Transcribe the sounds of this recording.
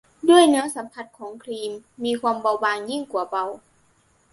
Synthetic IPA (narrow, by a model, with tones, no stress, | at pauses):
du˥˩əjnɯ˧˥ɐsa˨˦mpʰa˧t̪̚kʰɔː˩˦ŋkʰliː˧mːiː˧kʰwa˧mba˧wbaː˧ŋji˥˩ŋku˧˩ɐba˧w